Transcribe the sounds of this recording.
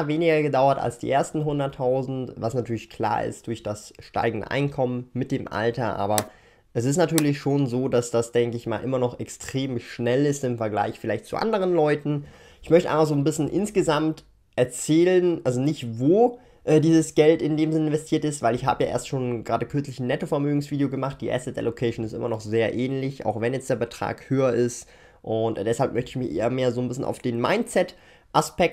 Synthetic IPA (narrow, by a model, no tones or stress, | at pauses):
veːnɪɡɐɡədaʊɐta̰lsd̥ḭːʔeːɐstn̩ɦʊndɐtʰːaʊzn̩tvasnatʰyːɐlɪçkl̥a̰ːɐɪ̰std̥ʊɐçd̥asʃta̰ɪɡŋ̩də̰ʔa̰ɪnkʰɔmənmɪt̚d̥eːmʔa̰ltɐʔa̰ːbɐ | ʔɛs̬ɪstnatʰyːɐlɪçʃoːnzoːdasd̥asd̥ɛŋkəɪçmaːlʔɪmɐnɔχɛkstʁ̥eːmʃnɛlɪstɪmfɛɐɡla̰ɪçfɪlaɪçtt͡sṵʔa̰ndəʁ̞ənlɔʏtn̩ | ʔɪçmœçtəʔa̰ɪfaχzoːnbɪsnʔɪnsɡ̥əzamt | ʔɛɐt͡sɛːlənʔalzonɪçtvoː | ʔɛːdiːzəsɡ̥ɛltɪndeːmzɪnəɪnvɛstʰiːɐtɪstvaɪlɪçɦa̰ːbəjaːʔḛːɐstʃoːnɡʁaːdəkʰʏɐt͡slɪçnːɛtofɛɐmøːɡŋ̩sv̥iːdeoɡəmaχt̚d̥iːʔɛ̰sɪtɛ̰lokʰɛɪʃnɪstʔɪ̰mɐnɔχz̥eːɐʔɛːnlɪçʔa̰ʊxvɛnjɛt͡sd̥eːɐbətʁ̥a̰ːkhøːɐɪst | ʔʊntd̥ɛshalp̚mœçtəɪçmɪçʔḛːɐmeːɐzoːnbɪsn̩ʔa̰ʊfd̥eːnma̰ɪntt͡sɛt | ʔaspɛk̚t